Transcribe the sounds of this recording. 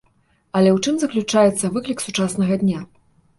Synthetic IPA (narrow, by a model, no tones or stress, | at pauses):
ɐlʲɛwt͡ʂɨmzɐklʲut͡ʂajɛt̪sːɐvɨklʲiksut͡ʂasn̪ɐɣɐd̪ʲnʲa